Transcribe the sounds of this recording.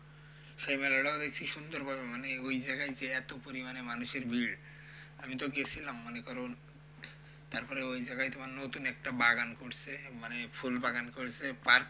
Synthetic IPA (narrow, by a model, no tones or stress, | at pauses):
ʃajmɛlɔɽaod̪ekt͡ʃʰiʃund̪oɾbʱabemaneojd͡ʒaɡajd͡ʒeɛt̪opoɾimanemanuʃeɾbiɭ | amit̪oɡesʰilamːanekɔɾon | t̪aɾpɔɾeojd͡ʒaɡajt̪omanenot̪unɛk̚ʈabaɡankoɽsʰemanepʰulbaɡankoɽsʰepaɾk